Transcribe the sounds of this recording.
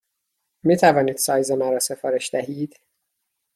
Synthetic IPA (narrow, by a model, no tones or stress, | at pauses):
miːt̪ʰævɒːniːd̪̥sɒːjzemæɾɒːse̞fɒːɾeʃd̪̥æɦiːd̪̥